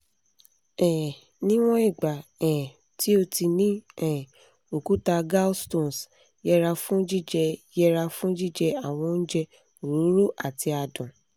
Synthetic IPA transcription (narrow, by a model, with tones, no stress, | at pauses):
ɛ̃˨ | nĩ˦w̃ɔ̃˦i˦˨ɡ͡ba˨ɛ̃˨ | ti˦o˧ti˧nĩ˦ɛ˦˨ | o˨ku˨˦ta˧ɡa˦stõ˦˨n˨s | jɛ˦˧ɾa˧fũ˦d͡ʒi˦d͡ʒɛ˧jɛ˦ɾa˧fũ˦d͡ʒi˦˨d͡ʒɛ˧a˦˨w̃ɔ̃˧n̩˦d͡ʒɛ˧ | o˨ɾũ˨˦ɾu˦ʔa˦˨ti˧a˨dɔ̃˨